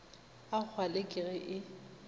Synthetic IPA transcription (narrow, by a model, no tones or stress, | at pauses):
ak͡xʰwalekʼɪɣɛʔɪ